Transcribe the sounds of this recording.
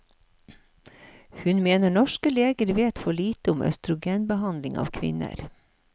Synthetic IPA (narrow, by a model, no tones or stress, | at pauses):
hʉnmeːnəɳɔʃkəleːɡəɾʋeːt̪fɔɭiːt̪əʊmœ̰st̪ɾʊɡeːnbəhɑnlɪŋɑ̰ːʋkʰʋɪ̰nə̰ɾ